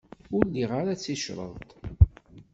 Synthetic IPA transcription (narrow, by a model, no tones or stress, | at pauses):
ʊɾliʁaɾat͡sːiʃɾˤə̰ðt̪